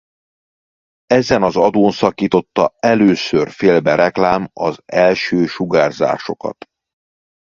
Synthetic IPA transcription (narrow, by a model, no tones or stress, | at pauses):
ɛzɛnɒzɒd̪oːnsɒkiːt̪o̞t̪ːɒ̰ɛløːsørfeːlbɛɾɛklaːmɒzɛlʃøːʃuɡaːrza̰ːʃo̞kɒ̰t̪